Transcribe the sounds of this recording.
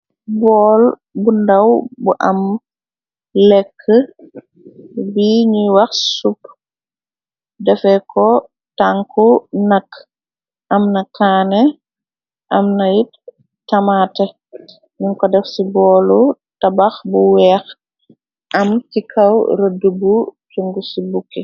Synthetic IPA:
bɔːl | bundɐwbuʔɐm | lɛkʰːə | biɲuwɐxsup | dɛfɛkɔ | taŋkunɐkː | ʔɐmnɐkaːnɛ | ʔɐmnɐjit | tɐmaːtɛ | ɲunkɔdɛfsibɔːlu | tabaxbuwɛːx | ʔɐmkikʰɐwɾədəbutuŋɡusibukːi

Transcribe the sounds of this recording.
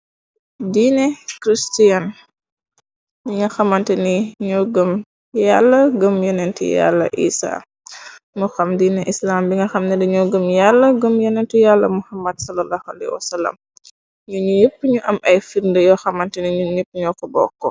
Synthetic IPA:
diːnɛkɾistijɐn | biŋɡɐxɐmɐntɛniɲuɡəm | jalːɐɡəmjɔnɛntḭja̰lːɐ̰ʔḭːsa̰ː | muxɐmdiːnɛʔislaːmbiŋɡɐxɐmnɛndiɲɔːɡəmjalːɐɡəmjɔnɛntijalːɐmuhɐmːɐdsɐlɐlaːhua̰lɛ̰jhwɐsɐlːɐ̰m | ɲuɲujəpːɲuʔɐmɐjfiɾndəjɔxɐmɐntɛniɲuɲupːɲɔkɔbɔ̰kːɔ

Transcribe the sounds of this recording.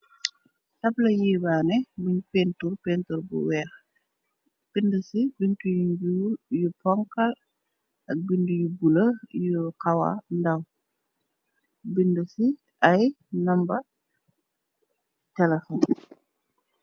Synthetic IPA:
tɐblɐjiːbaːnɛbuɲpɛnturpɛntuɾbṵwɛːx | b̥indusibintujɲɟuːjupɔŋkɐl | ɐk̚bindujubulɐjukɐwa̰ndɐw | bindusi | ɐj | nɐmbɐ | tɛlɐfɔn

